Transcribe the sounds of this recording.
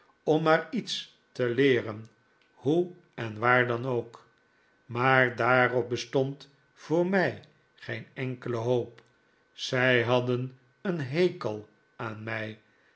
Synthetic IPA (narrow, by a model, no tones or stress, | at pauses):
ɔmːaːɹits | təlɪːɾən | hu | ɛnʋaːɹdɑnoʊk | maːɹdaːɾɔp̚bəstɔnt | fʊːɹmɛj | χejnɛŋkələɦoʊp | sɛjɦɑdən | ənɦejkəlˠ | aːnmɛj